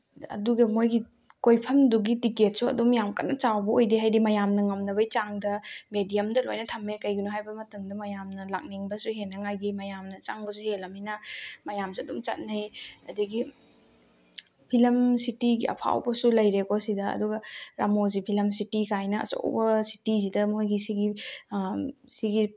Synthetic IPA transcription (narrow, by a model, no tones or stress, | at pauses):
ɐ̰duɡɐmojɡi | kojpʰɐmduɡitiket̚suɐ̰dumjamka̰nːɐt͡ʃawbɐojdiɦajdimɐjamnɐŋɐmnɐβɐjt͡ʃaŋdɐmedijɐmdɐlojnɐtʰɐmːekɐjɡinoɦajbɐmɐtɐmdɐmɐjamnɐla̰k̚niŋbɐsuɦenːɐŋajɡimɐjamnɐt͡ʃaŋbɐsuhelɐminɐmɐjamsiɐdumt͡ʃɐ̰t̚nɐjɐdɐɡi | pʰilɐmsitiɡiɐ̰pʰa̰wbɐsulɐjɾekosidɐɐ̰duɡɐɾa̰mozipʰilɐmsitikʰajnɐɐ̰t͡ʃo̰wbɐsi̥tizidɐmojɡisiɡi | siɡi